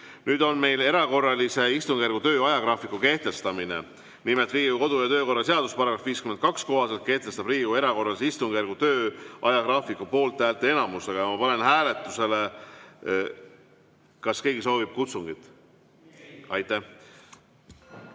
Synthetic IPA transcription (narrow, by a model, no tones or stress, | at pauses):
nyːd̪o̞nme̞jle̞ɾɑko̞rːɑlise̞ist̪uŋɡ̥ærɡ̥ut̪ø̞ːɑjɑkrɑːfikːˑuke̞ht̪e̞st̪ɑmine̞̰ | nimelt̪riːɡuko̞d̪ujɑt̪øːko̞rːɑs̬e̞ɑd̪̥uspɑɾɑɡɾɑfviːskyment̪̚kɑksko̞ɦɑse̞lt̪̚ke̞ht̪e̞st̪ɑbriːɡ̥ue̞ɾɑko̞rːɑlis̬eist̪uŋɡ̥ærɡ̥ut̪øːʔɑjɑkrɑːfikupo̞ːlt̪ˑːæːlt̪ːˑee̞nɑmust̪eɡ̥ɑjɑmɑpɑne̞nhæːle̞t̪ːˑuse̞le̞ | kɑske̞jɡiso̞ːvib̥̚kut̪suŋɡit̪ˑ | ɑjt̪ːˑæh